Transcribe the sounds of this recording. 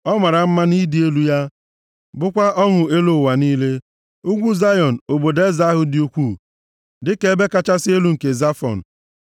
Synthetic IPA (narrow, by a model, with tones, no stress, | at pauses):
ɔ˦ma˨ɾa˨m̩˦ma˦ni˦di˦e˦lu˦ja˦ | bʊ˦kʷa˦ʔɔ˦ŋʊ˨e˦lo˦˨wa˨niː˦le˦ | u˦ɡʷu˦za˦jɔ˨n̩˨o˨bo˨de˦za˦a˦ɦʊ˦dɪ˦u˦kʷu˦˨ | dɪ˦ke˦be˦ka˦t͡ʃa˦sɪ˦e˦lu˦ŋ̩˨ke˨za˦fɔ̰˨n̩˨